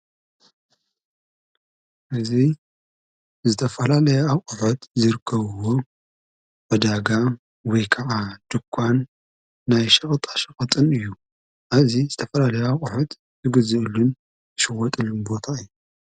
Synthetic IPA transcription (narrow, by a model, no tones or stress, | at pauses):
ʔɨzi | zɨt̪ʰɐfɐlalɐjɛawkʼʊħut̪zɨɾɨkʰːɐβɨwo | ʔɐd̪aɡa | wɔjkʰɐʔad̪̥ɨkʰʷːanː | ajʃɐχʼt̪ʼaʃɐχʼɨt̪ʼɨnɨjːu | ʔaβzizɨt̪ʰɐfɐlalɐjɛawqʼuħʊt̪ | zɨɡɨzɨlun | ɨʃɨwɔt̪ʼɨlːunbo̞t̪ʰaɨjːu